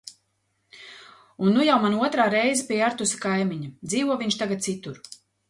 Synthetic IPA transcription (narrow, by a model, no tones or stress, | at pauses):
unːujawmanuɔt̪ɾaːɾɛjzɛpʲiɛaɾt̪usḁkajmiɲad̪ziːvuɔviɲʲt͡ʃt̪aɡat̪̚sit̪uɾ